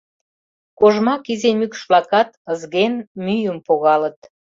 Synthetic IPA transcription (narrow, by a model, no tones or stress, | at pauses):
koʒmɑkizemykʃvlɑkɑt̪əzɣenmyjəmpoɣɑlət̪